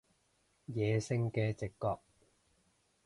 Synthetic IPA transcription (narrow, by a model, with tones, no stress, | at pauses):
jɛː˨˧sɪ˧ŋkɛː˧t͡sɪ˨kːɔː˨˧k̚